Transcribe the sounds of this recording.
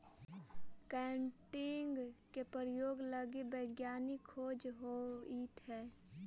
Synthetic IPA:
kɛːɳʈɪŋɡkepɾəɾjoːɡləɡibəɪɡjaːnikʰoːd͡ʒɦoit̪ɦɛː

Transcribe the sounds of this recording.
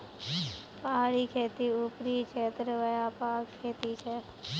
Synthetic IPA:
pəɦaːɾiːkʰeːt̪iupɾiːt͡ʃʰeːt̪ɾəʋəjaːpaːkkʰːeːt̪it͡ʃʰɛ

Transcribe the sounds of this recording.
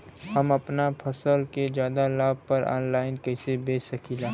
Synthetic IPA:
ɦɐmɐpnapʰɐsəlked͡ʒjaːd̪alaːb̚pɐɾɔ̰ːnlaːɪnkɐɪsebeːsɐkʰiːlaː

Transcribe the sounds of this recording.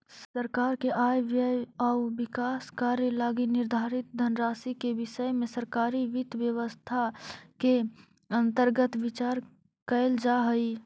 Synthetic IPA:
səɾkaːɾkeʔaːjʋjəjɔʋɪkaːskaːɾjəlaːɡinɪɾd̪ʱaːɾɪt̪̚d̪ʱənɾaːsikeʋɪʃəmẽsəɾkaːɾiʋɪt̪ʋjəʋəst̪ʰake | ɐ̃nt̪əɾɡət̪ʋɪt͡ʃaːɾ | kəɪld͡ʒaɦəi

